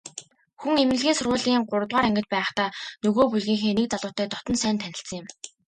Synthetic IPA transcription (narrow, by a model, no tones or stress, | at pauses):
xuŋemɘ̆ɮɣeːsʊrʁʊːɮiːŋɢʊɾə̆t̪ʁaːɾæŋɡʲɪ̆t̪̚pæːχt̪aːnɵɣoːpuɮɣiːŋxeːnek̚t͡saɮʊːt̪æːt̪ɔt̪ɞ̆nsæːnt̪ʰænʲɪ̆ɬt͡sə̆ŋjɪ̆m